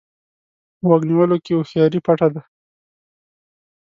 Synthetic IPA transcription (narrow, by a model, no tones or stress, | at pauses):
wakniwəlokeoxjɑɾipaʈad̪a